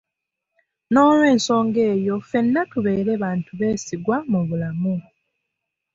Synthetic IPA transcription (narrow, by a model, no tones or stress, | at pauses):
no̞ːlwe̞ːnso̞ːŋɡe̞ːjo̞fe̞nːatuβe̞ːɾe̞βaːntuβe̞ːsiɡwamuβulamu